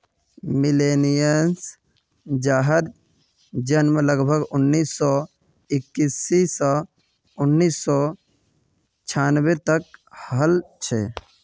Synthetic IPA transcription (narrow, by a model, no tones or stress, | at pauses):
milenijəns | d͡ʒaɦəd̪ | d͡ʒənmeləɡbʱəɡʊnːiːsːɔ | ɪkːisisə | ʊnːiːsːɔ | t͡ʃʰaːnbet̪əkhəlt͡ʃʰḛ